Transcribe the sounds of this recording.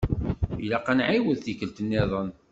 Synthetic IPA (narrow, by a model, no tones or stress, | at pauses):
ilaqænʕiwəðθikəlt̪ənːɪðˤən